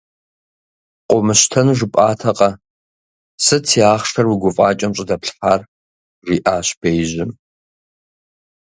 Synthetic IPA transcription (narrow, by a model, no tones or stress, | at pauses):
qʷʼɔmɨɕtʰɐnʒɨpʼaːtʰɐqʼɐ | sɨt͡sʰiaːχʂʰɐrwiɡʷʊfʼaːt͡ʃʼɐmɕʼɪdɐpɬħaːr | ʐiːʔaːɕb̥ejʑɪm